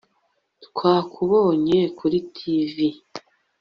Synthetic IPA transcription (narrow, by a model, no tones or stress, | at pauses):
tkʰwaːkʰuβoːɲekuɾitʰivi